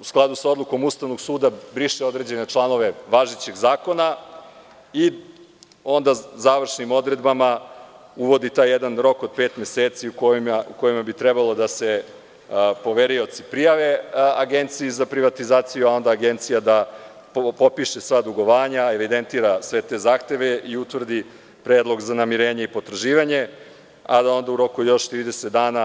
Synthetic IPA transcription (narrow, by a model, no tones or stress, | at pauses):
usklˠad̪usao̞d̪lˠuko̞must̪aʋnoɡsuːd̪abɾiʃeo̞d̪ɾe̞d͡ʑene̞t͡ʂlˠano̞ʋe̞ʋaʒit͡ɕeɡzaːko̞na | i | o̞nd̪azaʋr̩ʃnimo̞d̪ɾe̞d̪bamauʋo̞d̪it̪aːjːed̪anɾo̞ko̞d̪̥̚pe̞ːt̪mʲe̞seːt̪siukoimauko̞jimabit̪ɾɛbalˠo̞d̪ase | po̞ʋeɾio̞t̪sipɾijaʋe̞aɡent̪sijizapɾiʋat̪izaːt̪sijuao̞nd̪aːɡent̪sijad̪a | ppo̞piʃesʋad̪uɡo̞ʋaːɲae̞ʋid̪e̞nt̪iːɾasʋe̞t̪e̞ːzaːxt̪e̞ʋe̞ʔiut̪ʋr̩d̪i | pɾeːd̪lˠo̞ɡzanamiɾe̞ːɲeipo̞t̪ɾaʒiːʋaɲe̞ | a̰d̪ao̞nd̪auɾo̞kujo̞ʃt̪ɾiːd̪e̞set̪d̪aːna